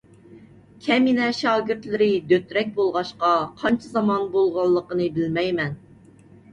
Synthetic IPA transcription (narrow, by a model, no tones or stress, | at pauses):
kʲʰɛminɛʃɑːɡʲɪɾt̪lɪɾɪd̪øt̪ɾɛk̚ʲbolˠʁɑʃqɑqʰɑnt͡ʃʰizɑmɑnbolˠʁɑlˠːəqənɨbɪlmɛjmɛn